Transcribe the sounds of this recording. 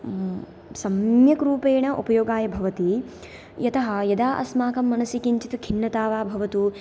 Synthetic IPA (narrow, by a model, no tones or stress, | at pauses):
sɐmjɐkɾuːpeːɳɐʔupɐjoːɡaːjɐbʱɐʋɐt̪i | jɐt̪ɐɦɐjɐd̪aːʔɐ̰smaːkɐmːɐnɐsikiɲt͡ʃit̪ukʰinːɐt̪aːʋaːbʱɐʋɐt̪u